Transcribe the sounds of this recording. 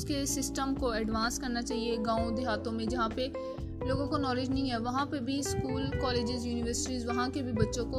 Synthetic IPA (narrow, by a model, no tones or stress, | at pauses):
kesɪsʈəmkoɛɖʋãːnskɐɾnat͡ʃaːɦieɡãːõd̪ɪɦaːt̪õmẽd͡ʒɐɦãpe | loːɡõkonɔːlɪd͡ʒnɐɦĩɦɛːʋɐɦãpebʱiskuːlkɔːleːd͡ʒɪzjuːnɪʋəɾsɪʈizʋɐɦãkebʱibɐtːʃõko